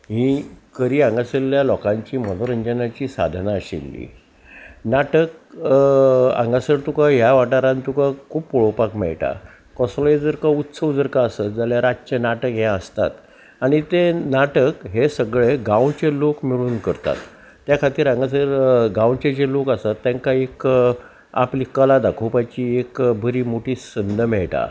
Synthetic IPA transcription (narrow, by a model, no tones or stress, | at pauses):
ɦĩkəɾiːãŋɡasəlːjalɔkãɲt͡ɕiːmənoɾəɲd͡ʑənat͡ɕiːsa̰d̪ʱnaəɕḭlːḭ | naʈək | ã̰ŋɡasəɾt̪ukaɦjaʋaʈaɾãnt̪ukakʰuːppɔɭopakmɛ̰ɭʈa̰ | kɔsljed͡zəɾkaut̪səʋd͡zəɾkaəsət̪̚d͡zaljaɾad͡ʑt͡ɕenaʈəkɦjɛ̃əst̪a̰t̪ | aɽ̃it̪enaʈəkɦesəɡɭeɡawt͡ɕelokmiɭuːnkəɾt̪a̰t̪ː | jakʰat̪iːɾãŋɡas̬əɾɡãwt͡ɕet͡ɕelokasat̪ːjãŋkaek | a̰pliːkəlad̪akʰupajt͡ɕiekbʱəɾiːmoʈiːsənd̪ʱəmɛɭʈa̰